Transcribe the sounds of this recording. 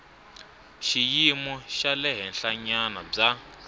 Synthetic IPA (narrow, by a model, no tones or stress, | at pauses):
ʃijimɔʃalɛɦɛnɬaɲanab͡ʐa